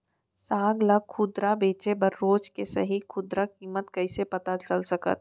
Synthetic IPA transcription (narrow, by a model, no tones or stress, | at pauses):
saːɡlaɡkʰʊd̪ɾabeːt͡ʃebɐɾːoːt͡ʃkesɐ̰ɦikʰʊd̪ɾakiːmət̪kɐɪsepɐt̪at͡ʃɐlsɐkə̰t̪̚